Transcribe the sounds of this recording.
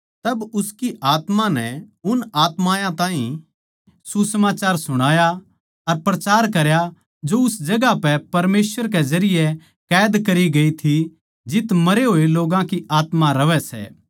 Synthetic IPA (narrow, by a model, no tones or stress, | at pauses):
t̪ɐbʊskiʔaːt̪mãnɛ̰ʊnaːt̪maːjãt̪ãːɦĩ | susəmaːt͡ʃaːɾsʊɽ̃aːja | ɐɾpɾɐt͡ʃaːɾkɐɾja | d͡ʒoʊsd͡ʒɐɡapɛpɐɾmeːsʋəɾk̬ɛzɐɾɪjɛ | kɛːd̪kɐɾiɡɐit̪ʰi | d͡ʒɪt̪mɐɾeɦoːeloːɡãkiʔaːt̪mãɾɐʋɛsɛ̰ː